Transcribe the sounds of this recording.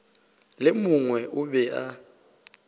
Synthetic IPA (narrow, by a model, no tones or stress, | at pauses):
lɪmuŋwɛʔʊbɛʔa